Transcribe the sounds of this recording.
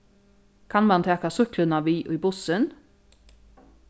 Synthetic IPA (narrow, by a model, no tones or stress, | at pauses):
kʰɑnmɑnt̪ʰeːkɑsʉklənɑʋiːʔiːbʊsən